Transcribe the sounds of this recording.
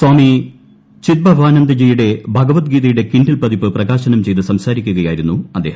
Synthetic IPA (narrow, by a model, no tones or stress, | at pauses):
swaːmi | t͡ɕit̪̚bɐʋʱaːnɐnd̪ɐd͡ʑejuɽe̞bʱɐɡɐʋɐt̪̚ɡiːðɐjuɽe̞kiɳɖilpɐðipːɨprɐɣaːɕɐnɐmt͡ɕe̞jt̪ɨsɐmsaːɾikʲːuɣɐjaːjiɾunːuɐd̪ːe̞ːhɐ